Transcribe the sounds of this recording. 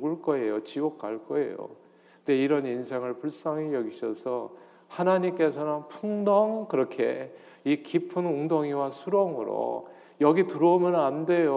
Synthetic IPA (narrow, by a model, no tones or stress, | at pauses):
ɡuɭk͈ʌejot͡ɕiɡok̚k͈aɭk͈ʌe̞̰jo̰ | ndeiɾʌnins̬ʰe̞ŋɯɭpuɭs͈ʌŋijʌɡiɕʰʌsʰʌ | hanaɲimk͈e̞sʰʌnɯnpʰuŋdʌŋkɯɾʌkʰeikipʰɯnoŋdoŋiwasʰuɾʌŋɯ̰ɾo̰ | jʌɡituɾoumjʌnande̞jo